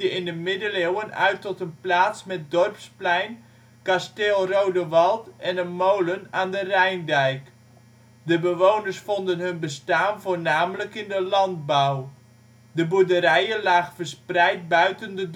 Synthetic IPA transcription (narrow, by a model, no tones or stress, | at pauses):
əɪndəmɪdəlewənœ̰ɥtɔtənplaːtsmɛt̚dɔrpsplɛjn | kasteːlˠrowdəʋɑlˠtɛnənmowlənaːndərɛjndɛjk | dəbəʋownəsfɔndənɦɵnbəstaːnvoːrnaːmələkɪndəlɑnd̚baw | dəbudəɾɛjənlaːxfərsprɛjt̚bœɥtəndəd